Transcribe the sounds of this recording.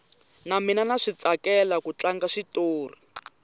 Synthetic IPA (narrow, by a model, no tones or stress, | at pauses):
naminanaʂit͡sakɛlakut͡ɬaŋɡaʂitoːr̤i